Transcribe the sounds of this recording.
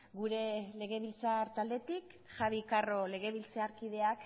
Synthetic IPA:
ɡuɾe̞le̞ɣ̞e̞β̞ilt͡saɾt̪ald̪e̞t̪ik | ʝaβikaro̞le̞ɣe̞βilt͡seaɾkiðe̞ak

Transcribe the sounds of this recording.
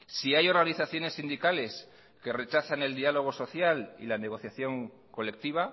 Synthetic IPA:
siajo̞ɾɣaniθaθjo̞ne̞sːind̪ikale̞s | ke̞re̞t͡ʃaθane̞ld̪ialo̞ɣ̞o̞so̞θjalḭlane̞ɣ̞o̞θjaθjo̞ŋ | ko̞le̞k̚t̪iβ̞a

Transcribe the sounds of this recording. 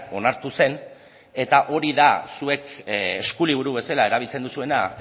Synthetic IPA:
o̞naɾt̪use̞n | e̞t̪aʔo̞ɾiðasue̞keskuliβ̞uɾuβe̞salae̞ɾaβ̞ilt͡se̞nd̪usue̞na

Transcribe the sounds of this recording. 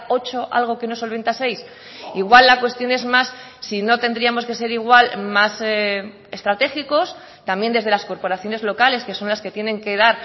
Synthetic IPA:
o̞t͡ʃo̞ʔa̰lɣ̞o̞ke̞no̞so̞lβe̞nt̪ase̞js | iɣ̞walːakwe̞st̪jo̞ne̞zmasː | ino̞t̪e̞nd̪ɾiamo̞ske̞se̞ɾiɣwalmase | est̪ɾat̪e̞xiko̞s | t̪ambje̞nd̪e̞zðe̞lasko̞ɾpo̞ɾaθjo̞ne̞zlo̞kale̞ske̞sõ̞nlaske̞t̪je̞ne̞ŋke̞ðaɾ

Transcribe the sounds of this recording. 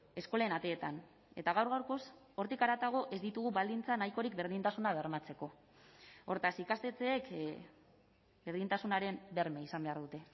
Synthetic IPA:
e̞sko̞lenat̪e̞ːt̪an | e̞t̪aɣawɾɣ̞awɾko̞s | o̞ɾt̪ikaɾat̪aɣ̞o̞ʔe̞zd̪it̪uɣ̞uβald̪int͡sanajko̞ɾikbe̞ɾð̞int̪asunaβe̞ɾmat͡se̞ko̞ | o̞ɾt̪asikast̪e̞t͡se̞ːk | be̞ɾðint̪asunaɾe̞mbe̞ɾme̞isambe̞aɾðut̪e̞

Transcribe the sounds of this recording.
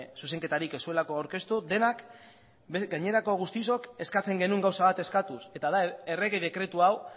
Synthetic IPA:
sus̬e̞ŋke̞t̪aɾike̞sue̞lako̞awɾke̞st̪ud̪e̞nak | eɡajɲe̞ɾako̞ɣust̪iso̞ke̞skat͡se̞ŋɡe̞nuŋɡawsaβ̞at̪e̞skat̪use̞t̪aðae̞re̞ɣeðe̞kɾe̞t̪uaw

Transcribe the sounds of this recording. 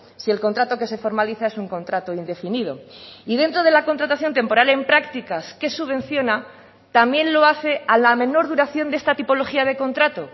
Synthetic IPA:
sie̞lko̞nt̪ɾat̪oke̞se̞fo̞ɾmaliθae̞suŋko̞nt̪ɾat̪oind̪e̞finið̞o̞̰iðe̞nt̪ɾo̞ð̞e̞lako̞nt̪ɾat̪aθjo̞nt̪e̞mpo̞ɾale̞mpɾakt̪ikaske̞suβẽ̞n̟θjo̞na | t̪amje̞nlo̞aθe̞alamẽ̞no̞ɾðuɾaθjo̞nd̪e̞st̪at̪ipo̞lo̞xiað̞e̞ko̞nt̪ɾat̪o̞

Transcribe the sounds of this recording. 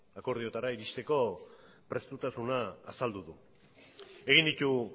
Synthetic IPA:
ako̞ɾð̞io̞t̪aɾaiɾiʃt̪e̞ko̞ | pɾe̞st̪ut̪asunaːsald̪uðu | e̞ɣ̞ind̪it̪u

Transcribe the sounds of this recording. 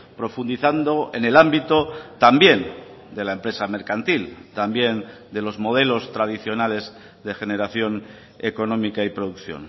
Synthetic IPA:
pɾo̞fund̪iθand̪o̞ḛne̞lambit̪ot̪ambje̞nd̪e̞laempɾe̞same̞ɾkant̪ilt̪ambje̞nd̪e̞lo̞zmo̞ð̞e̞lo̞st̪ɾaðiθjo̞nale̞z | ðe̞xe̞ne̞ɾaθjo̞n | eko̞nõ̞mikaipɾoðukθjo̰n

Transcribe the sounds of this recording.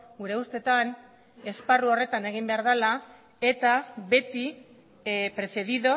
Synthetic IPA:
ɡuɾe̞ust̪e̞t̪an | e̞sparuo̞re̞t̪ane̞ɣ̞imbe̞aɾðala | e̞t̪aβe̞t̪i | pɾe̞se̞ðiðo̞

